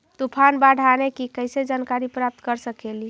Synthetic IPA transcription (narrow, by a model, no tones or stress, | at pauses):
t̪upʰanbaɽ̤ʱanekikəjsed͡ʒankaɾipɾap̚t̪kəɾsəkeli